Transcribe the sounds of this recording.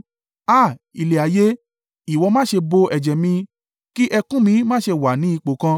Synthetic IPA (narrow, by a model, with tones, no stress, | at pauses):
a˦˨ | i˨le˨a˨je˨˦ | i˨wɔ˧mãː˦ʃe˧bo˧ɛ˨d͡ʒɛ˨mĩ˧ | ki˦ʔɛ˧kũ˦mĩ˧mãː˦˨ʃe˧wa˨nĩ˨˦i˧k͡po˨kã˧